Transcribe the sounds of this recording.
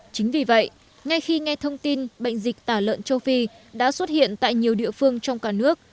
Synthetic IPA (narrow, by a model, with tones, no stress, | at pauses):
t͡ɕï˨˦ŋ̟vi˨˩və̰˧˨j | ŋa˧jxi˧ŋa˧jt̪ʰə˧wŋ͡mt̪i˧nɓə̰˧˨jŋ̟zï˨˩k̟̚t̪aː˧˩lə̰ː˧˨nt͡ɕə˧wfi˧ | ɗa̰ː˧˥swə˦˥t̚hḭ˧˨ənt̪a̰ː˧˨jɲi˨˩əwɗḭ˧˨əfɨ˧əŋt͡ɕɔ˧wŋ͡mkaː˧˩nɨ˦˥ək̚